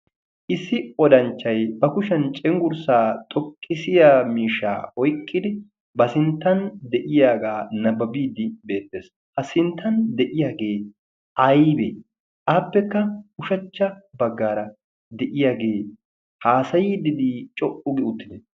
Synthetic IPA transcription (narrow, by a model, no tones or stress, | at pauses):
ʔɪsːɪɔd̪ɐnt͡ʃːɐjbɐkʊʃɐnt͡ʃʼɛŋɡʊɾsaːt̪ʼɔkʼːɪsɪjaːmiːʃːa̰ːɔjkʼːɪd̪ɪ | bɐsɪnt̪ːɐnd̪ɛʔɪjaːɡaːnɐbɐbiːd̪ɪbe̞ːt̪ːeːs | hɐsɪnt̪ʰːɐnd̪ɛʔɪjaːɡe̞ː | ʔɐjbe | ʔaːpːɛkːɐʊʃɐt͡ʃːɐbɐɡːaːɾɐ | d̪ɛʔɪjaːɡeː | haːsɐjiːd̪ɪd̪it͡ʃʼɔʔʼʊɡɪʊt̪ːɪd̪ɛ